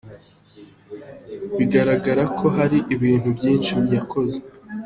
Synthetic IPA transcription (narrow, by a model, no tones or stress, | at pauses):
βiɡaɾaɡaɾakʰo̞ɦaɾiʔiβiːn̥hubɟiːnʃimjakʰo̞ze